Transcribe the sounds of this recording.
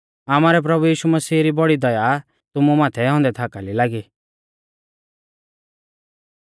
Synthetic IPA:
aːmaːɾɛp̬ɾɐbujiːʃumɐsiːɾibɔɽid̪ɐja | t̪ʊmumaːt̪ʰɛɦɔ̃ːnd̪ɛt̪ʰaːkalilaːɡi

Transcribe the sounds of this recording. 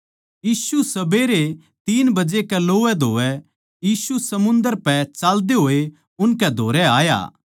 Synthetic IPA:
jiːsusɐbeɾe | t̪iːnbɐd͡ʒekɛloːɛd̪ʱoːʋɛ | jiːsusɐmʊ̃nd̪əɾpɛt͡ʃaːld̪eɦoːe | ʊnkɛd̪ʱoːɾɛaːja̰ː

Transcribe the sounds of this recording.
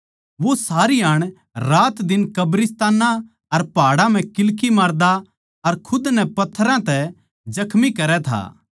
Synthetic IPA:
ʋosaːɾiaːɽ̃ | ɾaːt̪d̪ɪnkɐbɾɪst̪aːnã | ɐɾpaːɽãm̤ɛ̃kɪlkimaːɾd̪a | ɐɾkʰʊd̪nɛpɐt̪ʰːɾãt̪ɛ | d͡ʒɐkʰmikɐɾɛt̪ʰa̰ː

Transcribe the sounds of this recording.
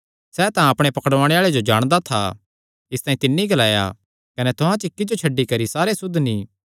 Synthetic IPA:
sɛːt̪ãɐpɽ̃epɐkəɽʋaːɽ̃eaːɭed͡ʒod͡ʒaːɽ̃d̪at̪ʰa̰ | ɪst̪ãːĩt̪ɪnːiɡɐlaːja̰ | kɐnɛt̪ʊɦãt͡ʃɪkːid͡ʒot͡ʃʰɐɖːikɐɾisaːɾesʊd̪ʱniː

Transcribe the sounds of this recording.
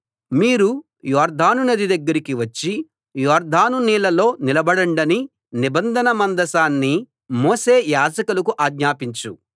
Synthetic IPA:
miːɾu | jɔːɾd̪ʱaːnunɐd̪id̪ɐɡːɐɾikiʋɐt͡ʃːi | jɔːɾd̪ʱaːnuniːlɐlo̞ːnilɐbɐɽɐɳɖɐni | nibɐnd̪ʱɐnɐmɐnd̪ɐsaːnːi | moːse̞ːjaːd͡ʒɐkulɐkuʔaːɡɲaːpiɲt͡ʃu

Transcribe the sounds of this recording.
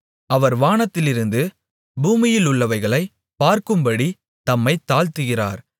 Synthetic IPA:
ɐʋɐɾʋaːɳɐt̪ːɪlɪɾɯnd̪ɯ | buːmɪjɪlʊɭːɐʋɐɪɣɐɭɐɪ | paːɾkɯmbɐɽi | t̪ɐmːɐɪt̪ːaːlt̪ɯɣɪra̰ːɾ

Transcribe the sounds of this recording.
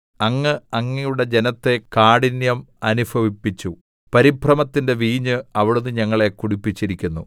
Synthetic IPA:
ɐŋːɨɐŋːijuɽed͡ʑe̞nɐt̪ːe̞kaːɽinjɐmɐnubʰʱɐʋipːit͡ɕːu | pɐɾiprɐmɐt̪ːinde̞ʋiːɲɨɐʋiɽunːɨɲɐŋːɐɭe̞kuɽipːit͡ɕːiɾikʲːunːu

